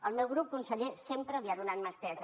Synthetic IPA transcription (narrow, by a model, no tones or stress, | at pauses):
əlmewɣɾup̚kunsəʎesempɾəβiaðunanmast̪ɛz